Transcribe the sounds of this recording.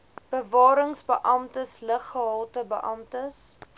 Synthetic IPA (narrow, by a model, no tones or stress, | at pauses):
b̥əvɑːɾəŋsbəʔɐmtəsləχːəɦɐlˠtəbəʔɐmtəs